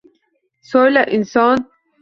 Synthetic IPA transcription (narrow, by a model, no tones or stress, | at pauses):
soːlaʔinsɑːn